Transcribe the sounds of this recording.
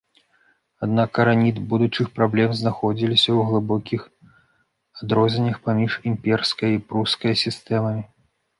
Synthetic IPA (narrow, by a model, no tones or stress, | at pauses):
ad̪nakɐɾanʲid̪bud̪ut͡ʂɨxpɾablʲɛmznaxɔd͡zʲilʲisʲɐwɣlˠɨbɔkʲʰix | ad̪ɾɔzʲenʲɐxpamʲiʂimʲpʲɛrskɐjɐipɾuskɐjɐsʲist̪ɛmɐmʲi